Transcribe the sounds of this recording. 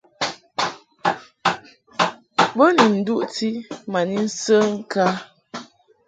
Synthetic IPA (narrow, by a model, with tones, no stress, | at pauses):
bə˦ni˨n̩˨du˦ʔti˦ma˨ni˦n̩˦sə˦ŋ̩˦ka˦